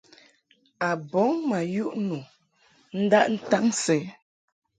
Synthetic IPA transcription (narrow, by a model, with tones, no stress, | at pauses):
a˨bɔ˨˦ŋma˨ju˦ʔnu˨ | n̩˦da˦ʔn̩˦ta˦n̩˦sɛ˨˦